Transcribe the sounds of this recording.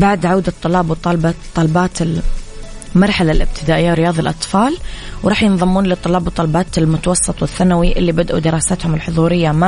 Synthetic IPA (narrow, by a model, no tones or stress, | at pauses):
baʕd̪ʕawd̪at̪ˤːʊlɑːbwt̪ˤːɑlbt̪ˤːɑlɑbɑːt̪ɪl | mɑɾˤħalalʔɪb̚t̪ʰɪd̪aːʔɪjːawɾɪjɑːðˤɑlʔɑt̪ˤfɑːlwɾˤɑːħjɪnðˤɑmːuːnlɪt̪ˤːɑlɑːbwt̪ˤːɑlɑbɑːt̪ɪlmʊt̪awɑsˤːɨt̪ˤwɪθːanawiʔɪlːibad̪ʔṵd̪ɪɾˤɑːsat̪hʊmɪlħʊðˤuːɾɪjːama